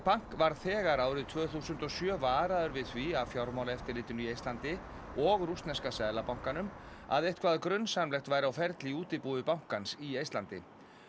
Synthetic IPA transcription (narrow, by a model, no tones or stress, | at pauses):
paŋ̥kvaɾ̥θɛːɣaɾaːwɾɪðt̪ʰvœːɣθuːsʏnt̪ɔsjœːvaːɾaðʏɾvɪðθviavfjawɾmawlaɛft̪ɪɾlɪːt̪ɪnʏiejst̪lant̪ɪ | ɔɣɾust̪nɛskasɛðlapawŋ̥kanʏma̰ðeht̪kʰvaːðakɾʏnːsamlɛxt̪vaːjɾawfɛɾt̪liuːt̪ɪpuːðɪpawŋ̥kansiejst̪lant̪ɪ̰